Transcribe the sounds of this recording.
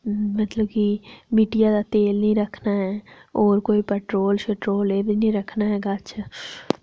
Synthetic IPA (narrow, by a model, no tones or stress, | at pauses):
mɐt̪ləb̚kimiːʈijad̪at̪eːlnəɦĩɾɐkʰnaɦɛːɔːɾkoːipɛːʈɾoːlʃeːʈɾoːleːbʱinĩɾɐkʰnaɦɛːɡaɐtːʃʰaː